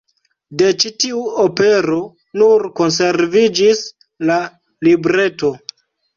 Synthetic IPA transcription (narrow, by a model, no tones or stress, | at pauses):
de̞t͡ʃitiuope̞ɾo̞ | nuɾko̞ns̬e̞ɾvid͡ʒis | la | libɾe̞to̞